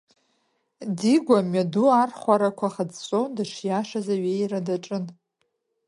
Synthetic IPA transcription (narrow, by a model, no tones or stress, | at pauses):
diɡʷamɥaduarχʷaɾakʷʰaχad͡zt͡sʷʼondɨʂjaʂazaɥejradaʈ͡ʂʼɨn